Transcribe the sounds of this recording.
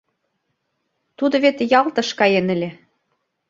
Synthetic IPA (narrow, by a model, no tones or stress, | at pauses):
t̪ud̪ɤ̆βet̪ejɑlt̪ɤ̆ʃkɑjenɘ̆lʲe